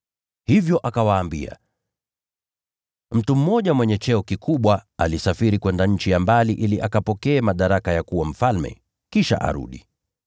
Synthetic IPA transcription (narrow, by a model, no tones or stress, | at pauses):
hivjɔʔakawaːmbḭa̰ | m̩tum̩ːɔʄamwɛɲɛt͡ʃɛɔkikʰuɓwaalisafiɾikwɛndaɲ̩t͡ʃijambaliʔiliʔakapɔkɛːmaɗaɾakajakuwam̩falmɛ̰ | kiʃa̰ʔa̰ɾṵɗḭ